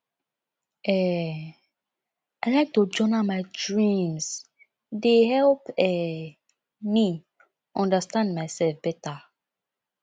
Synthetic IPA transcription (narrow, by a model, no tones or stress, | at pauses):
ɛ | aɪlajk̚tod͡ʒɔnamaɪdɹĩms | dehɛlpɛ | mi | ʔɔ̃ndastãndmaɪsɛlfbɛta